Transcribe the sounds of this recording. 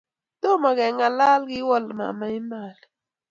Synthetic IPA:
tɔ˦ma˨kɛ˨ŋa˨la˦lɡɪ˦wɔ˦lma̰˨ma˨i˦ma˨li˨

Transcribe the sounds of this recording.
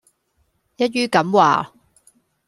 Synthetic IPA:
jɐ˥t̚jyː˥kɐ˨˥mwa̰ː˨

